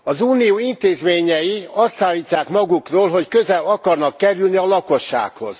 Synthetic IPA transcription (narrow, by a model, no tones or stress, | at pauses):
ɒzuːnijoːint̪eːzmeːɲɛjiɒst̪saːlːiːcːaːkmɒɡukroːlɦo̞ckø̞zɛlɒkɒrnɒkːɛɾylniɒlɒko̞ʃːa̰ːkho̞̰z̥